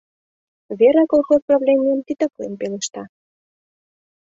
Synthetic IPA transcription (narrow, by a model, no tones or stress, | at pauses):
βeɾekolˠxosproblʲemʲijəmt̪id̪əkonpelĕʃt̪ɑ